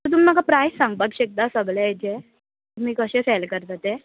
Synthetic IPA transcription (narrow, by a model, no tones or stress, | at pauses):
t̪əɾt̪um̤iːm̤akapɾajsːãŋɡ̚bəɡɕek̚d̪asəbɭed͡ʑe | m̤iːkəɕẽselkəɾt̪at̪e